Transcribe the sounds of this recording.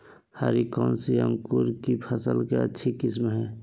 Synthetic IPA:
haɾikɔ̃ːnsiə̃ŋkuɾkipʰəsəlkeətːʃʰikɪsmɦɛː

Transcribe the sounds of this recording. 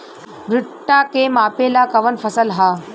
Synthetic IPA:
bɾɪʈːakemaːpelakɐʋənfʰəsəlɦa

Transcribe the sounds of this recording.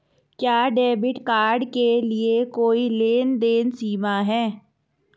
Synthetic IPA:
kjaːɖeːbɪʈkaːɾɖkeliekoːileːnd̪eːnsiːmaɦɛː

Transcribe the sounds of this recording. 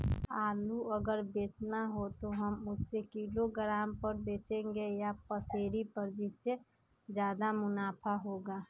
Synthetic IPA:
aːluəɡəɾbeːt͡ʃnaɦot̪oɦəmʊsːekiloɡɾaːmpəɾbeːt͡ʃẽŋɡejapəseːɾipəɾd͡ʒɪsːe | d͡ʒjaːd̪amʊnaːpʰaɦoːɡa

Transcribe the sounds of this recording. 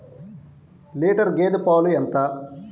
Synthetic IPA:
liːʈɐɾɡeːd̪upaːluɛnt̪ɐ

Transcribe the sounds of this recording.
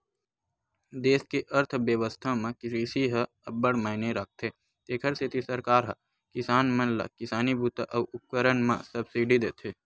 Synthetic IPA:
d̪eːskeʔəɾt̪ʰbjəʋəst̪ʰamãkɪsisiɦə | ɐbəɽmaːɪneɾək̚ʰt̪ʰe | t̪eːkʰəɾsʰɪt̪isəɾkaːɾɦɐ̰ | kɪsaːnmɐ̃nla̰kɪsaːnibut̪aʔɐʋʊp̚kəɾənmã̰sɐbsiːɖid̪eːt̪ʰeː

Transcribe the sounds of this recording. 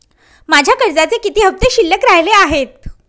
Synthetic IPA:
mad͡ʑʱjakəɾd͡zat͡sekit̪iːɦəp̚t̪eɕilːəkɾaɦleaɦet̪̚

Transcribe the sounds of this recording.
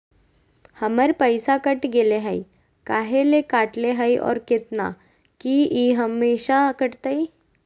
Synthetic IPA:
həməɾpəjsakəʈɡeleɦəj | kaɦelekaʈleɦəjʔɔ̰ɾket̪na̰ | kiiɦəmːeɕakəʈt̪əi

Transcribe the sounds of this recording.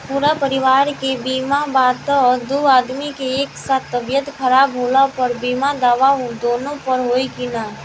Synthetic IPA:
puːɾapəɾɪʋaːɾkebiːmabaːt̪ːd̪uaːd̪mikeeːksat̪ʰːəbjət̪kʰəɾaːbɦolapəɾbimad̪aːʋaɦd̪oːnõpəɾɦoːikinaː

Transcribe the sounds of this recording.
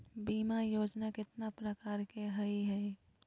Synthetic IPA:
biːmajoːd͡ʒnakɪt̪napɾəkaːɾkeɦɐiɦɛ

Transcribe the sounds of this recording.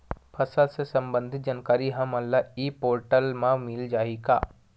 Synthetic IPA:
pʰɐsəlsesɐ̃mbə̃nd̪ʱɪt̪̚d͡ʒaːnkaːɾiɦɐmɐlːaiːpoːɾʈəlmãmɪld͡ʒaːika̰ː

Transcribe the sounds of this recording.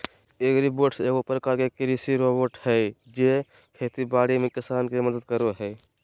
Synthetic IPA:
eːkɾiboːʈseːɡopɾəkaːɾkekɾisiɾoboʈhɛd͡ʒe | kʰet̪ibaːɽimekɪsaːnkeməd̪əd̪̚kəɾoɦɛː

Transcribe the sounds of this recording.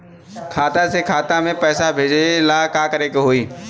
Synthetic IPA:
kʰaːt̪asekʰaːt̪amẽpɛːsabʱeːd͡ʒelakaːkəɾekeɦoːiː

